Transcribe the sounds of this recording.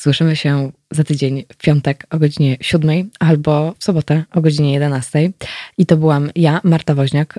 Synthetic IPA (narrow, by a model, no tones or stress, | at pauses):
z̥wɘʂɘmɘɕɛ | zat̪ɘd͡ʑeɲfpʲjɔnt̪ɛkɔɡɔd͡ʑiɲɛɕud̪mɛjalbɔfsɔbɔt̪ɛʔɔɡɔd͡ʑiɲɛjɛd̪ɛnast̪ɛjit̪ɔbɘwamjamaɾt̪avɔʑɲak